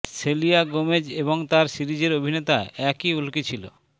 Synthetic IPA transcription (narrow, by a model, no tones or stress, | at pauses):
selijaɡomed͡ʑeβoŋt̪aɾsiɾid͡ʑeɾobʱinet̪aeɛkiulkit͡ɕʰilo̰